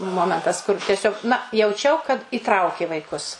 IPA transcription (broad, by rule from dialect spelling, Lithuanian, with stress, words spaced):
ˈmoːmʲɛntɐs kʊr tʲɛˈsʲoːk nɐ jɛʊˈt͡ʃʲɛʊ kɐt iːˈtrɐʊkʲeː ʋɐɪˈkʊs